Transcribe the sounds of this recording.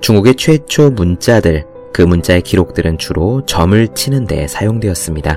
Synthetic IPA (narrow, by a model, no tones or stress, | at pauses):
t͡ɕuŋɡuɡe̞t͡ɕʰwe̞t͡ɕʰomunt͡ɕ͈adɯɭ | kɯmunt͡ɕ͈ae̞kiɾok̚t͈ɯɾɯnt͡ɕuɾot͡ɕʌmɯɭt͡ɕʰinɯnde̞̰sʰajoŋdwe̞ʌs͈ɯmɲida